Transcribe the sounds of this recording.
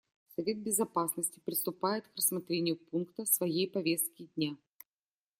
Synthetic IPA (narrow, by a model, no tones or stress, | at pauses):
sɐvʲe̞t̪̚bʲɪzɐpasnəsʲtʲɪ̥pɾʲɪst̪ʊpajɪt̪krəsmɐt̪ɾʲenʲɪjʊpunkt̪əsvɐjejpɐvʲe̞st̪̚kʲɪdʲnʲa